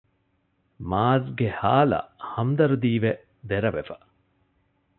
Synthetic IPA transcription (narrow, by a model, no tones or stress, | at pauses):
maːzɡehaːlɐ̰hɐmd̪ɐɾud̪iːʋe | d̪eɾɐʋḛfɐ̥